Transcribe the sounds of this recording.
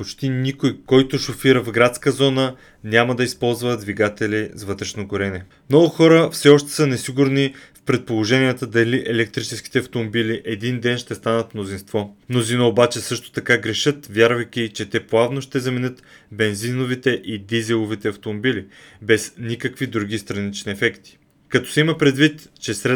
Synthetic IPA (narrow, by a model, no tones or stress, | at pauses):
pot͡ʃt̪inikojkɔjt̪ʊʃofiɾəvɡɾat̪skəzɔnə | nʲjamɐd̪ɐispɔlˠzvəd̪viɡat̪ɛlʲizvɤt̪ɾɛʃnoɡoɾɛnɛ | mnɔɡʊxɔɾəfsɛɔʃt̪ɛ̥sənɛsiɡʊɾnifpɾɛt̪̚polˠoʒɛniɛt̪əd̪ɐliʔɛlɛk̚t̪ɾit͡ʃɛsk̟i̥t̪ɛɐft̪omobiliʔɛd̪ind̪ɛnʃt̪ɛst̪anət̪mnozinst̪vɔmnozinəobat͡ʃɛsɤʃt̪o̥t̪ɐkaɡɾɛʃɤt̪vʲjaɾvɐjkʲit͡ʃɛt̪ɛplˠavnoʃt̪ɛzɐmɛnɤt̪ | bɛnzinovit̪ɛʔid̪izɛlˠovit̪ɛɐft̪omobilibɛsnikəkvid̪ɾuɡ̟ʲist̪ɾɐnit͡ʃniɛfɛkt̪i̥ | kɐt̪ɔ̥sɛimɐpɾɛd̪vit̪t͡ʃɛsɾɛ